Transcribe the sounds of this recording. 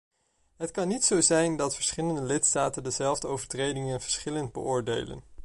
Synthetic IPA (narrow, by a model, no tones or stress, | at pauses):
ɦətkɑnːitsowzɛjndɑtfəɹsχɪləndəlɪtstaːtəndəzɛlˠvdəowvəɹtrejdɪŋənv̥əɹsχɪləndbə̰ʔʊːɹdḛjlə̰n